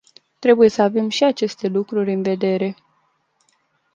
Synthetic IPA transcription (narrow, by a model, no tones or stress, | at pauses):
t̪ɾe̞buje̞səave̞mʃiat͡ʃe̞st̪e̞lukɾurʲɨnve̞d̪e̞ɾe̞